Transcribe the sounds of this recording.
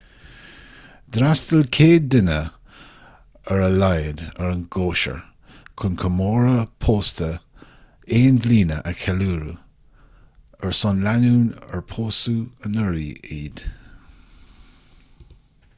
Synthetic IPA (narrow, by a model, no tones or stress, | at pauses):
d̪ɾastəlkʰeːdɪnə | əɹəlajədəɹənɡoːʃə̰ɹ | kʰʊnkʰəmoːɹəpʰoːstə | eːnvliːnəʔəkʰɛluːɾu | əɹsɔnlanuːnə̰ɹpʰoːsuənəɹiːiːd̪̥